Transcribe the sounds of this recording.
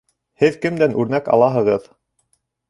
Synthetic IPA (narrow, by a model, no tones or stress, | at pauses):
hɘðkɘ̆md̪ænʔʉɾnækɑ̰lˠɑɦɤ̆ʁɤð